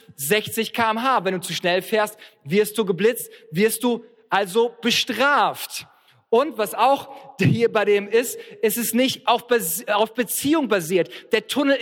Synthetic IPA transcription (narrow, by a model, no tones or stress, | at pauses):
zɛçt͡sɪçkʰaːɛmɦaːvɛnduːt͡suʃnɛlfeːɐst̚v̥ɪɐst̚d̥uːɡəblɪt͡st̚v̥ɪɐst̚d̥uː | ʔalzob̥əʃtʁ̥aːft | ʔʊntv̥asaʊxhiːɐbaɪdeːmɪstʔɛsɪstnɪçtaʊfb̥zaʊfb̥ət͡siːʊŋbaziːɐtd̥eːɐtʰʊnl̩